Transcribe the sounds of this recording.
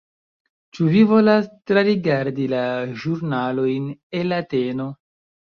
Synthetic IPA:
t͡ʃuvivo̞lastɾaɾiɡaɾdilaʒuɾnalo̞jnenlːateno̞

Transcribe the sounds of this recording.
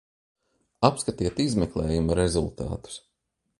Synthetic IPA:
apskat̪iɛt̪izmɛklˠɛːjumaɾezulˠt̪a̰ːt̪u̥s

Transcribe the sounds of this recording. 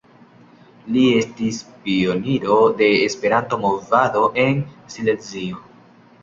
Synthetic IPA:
lie̞stispio̞niɾo̞de̞ːspe̞ɾanto̞mo̞vado̞ʔe̞nsile̞nzio

